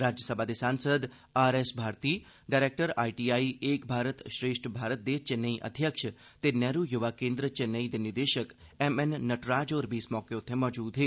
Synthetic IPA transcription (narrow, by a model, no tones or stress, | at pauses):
ɾaːd͡ʒjəsəbʱad̪esãːnsəd̪ | aːɾesbʱaːɾt̪iː | ɖaːɾeːk̚ʈəɾa̰ːiʈiːaːieːkbʱaːɾət̪ʃɾeːʃʈbʱaːɾət̪̚d̪et͡ʃenːəiʔɐ̰d̪ʱjəkʃə | t̪enɛːɾujʊʋaːkẽːnd̪ɾət͡ʃenəid̪enɪd̪eːʃəkɛmɛnːɐʈɾaːd͡ʒoːɾbiːsmɔːkeot̪ʰẽmɔːd͡ʒuːd̪ɦeː